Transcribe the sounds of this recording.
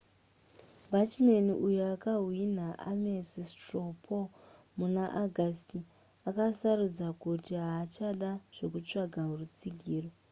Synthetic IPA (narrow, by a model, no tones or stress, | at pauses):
bʱat͡ʃmaniʔujuakaɦwin̤aʔa̰mesistropʰo | munaʔaɡʱasti | akasarud͡zakutiɦaːt͡ʃaɗaʐ̥o̞kut͡ʂaɡʱaɦurut͡siɡʱiːro